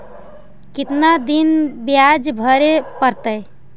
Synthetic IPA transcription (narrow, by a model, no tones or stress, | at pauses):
kɪt̪nad̪inbjad͡ʒbʱəɾepəɾt̪əj